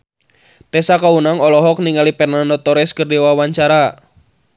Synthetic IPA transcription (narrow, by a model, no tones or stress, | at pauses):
t̪ɛsakaunaŋɔlɔɦɔk̚niŋalipɛrnandɔt̪ɔɾɛskərdiwawaɲt͡ʃaɾa